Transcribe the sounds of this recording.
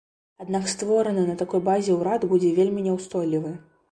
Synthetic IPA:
ad̪nakst̪vɔɾɐnɐnɐt̪akɔjbazʲɛwɾad̪bud͡zʲɛvʲelʲmʲinʲɛwst̪ɔjlʲivɨ

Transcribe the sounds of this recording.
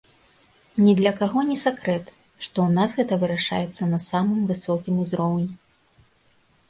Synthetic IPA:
nʲɛd̪lʲɐkaɣɔnʲɛsakɾɛt̪ | ʂt̪ɔunasɣɛt̪ɐvɨɾaʂa̰jɛt̪sːɐnɐsamɨmvɨsɔkʲimuzɾɔwnʲi

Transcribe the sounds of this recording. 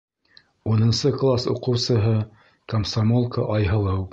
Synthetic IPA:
unɤ̆nsɤklˠasṵqɤ̆wsɤ̆ɦɤ | kɐmsamolˠkəʔɑjɦɤ̆lˠɤw

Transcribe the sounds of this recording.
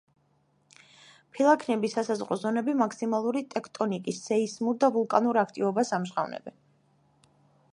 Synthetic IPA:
pʰilˠakʰnɛbisasazʁɾɔzɔnɛbimakʰsimalˠuɾit̪ʼɛkʰt̪ʼɔnikʼisːɛismuɾd̪avulˠkʼa̰nuɾakʰt̪ʼivɔbasamʃʁa̰vnɛ̰bɛ̰n

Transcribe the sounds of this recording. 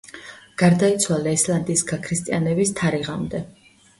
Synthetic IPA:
ɡ̥aɾd̪ait̪sʰwalˠaɛslˠand̪iːsɡakʰɾist̪ʼianɛbist̪ʰaɾiʁamd̪ɛ

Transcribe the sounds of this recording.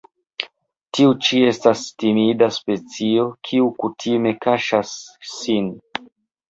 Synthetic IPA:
tiut͡ʃie̞stastimidaspe̞t͡sio̞kʰiukutʰime̞kaʃasːin

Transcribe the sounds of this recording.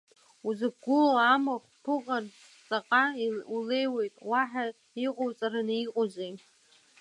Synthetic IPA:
uzɨk̚ɡʷʊloamaχʷpʰɨqʼar | t͡sʼaqʼaule̞jwe̞jtʼwaħa | iqʼowt͡sʼaɾaniqʼozej

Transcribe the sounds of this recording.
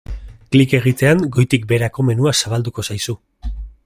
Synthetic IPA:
klike̞ɣ̞it̪e̞aŋɡo̞jt̪ik̚be̞ɾako̞me̞nuasaβald̪uko̞sajsu

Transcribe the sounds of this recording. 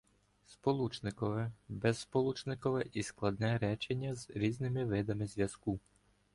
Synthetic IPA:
spɔlˠut͡ʃnɪkɔʋɛbɛsːpɔlˠut͡ʃnɪkɔʋɛʔisklˠɐd̪nɛɾɛt͡ʃenʲːɐzɾʲiznɪmɪʋɪd̪ɐmɪzʲʋʲjɐsku

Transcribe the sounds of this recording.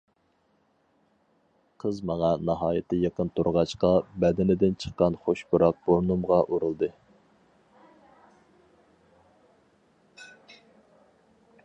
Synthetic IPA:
qʰəzmɑŋɑnɑɦɑːjɪt̪ʰːɪjɑqənt̪ʰoɾʁɑt͡ʃqɑbɛd̪ɪnɪd̪ɪnt͡ʃʰə̥qːɑnχoʃbuɾɑq̚b̥oɾnumʁɑʔuɾɨlˠd̪ɨ

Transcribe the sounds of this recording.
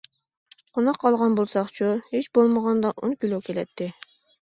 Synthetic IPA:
qʰonɑqʰːɑlˠʁɑnbolˠsɑqt͡ʃʰuhet͡ʃbolˠməʁɑnd̪ɑʔonkʲilˠokʲʰelɛt̪ʰːɪ

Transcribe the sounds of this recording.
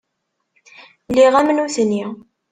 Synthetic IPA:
lːiʁæmnuθnːi

